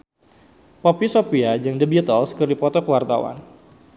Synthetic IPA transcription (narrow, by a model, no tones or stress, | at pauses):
popisopiad͡ʒaŋdəbiit̪əlskərdipɔt̪ɔkəwart̪a̰wa̰n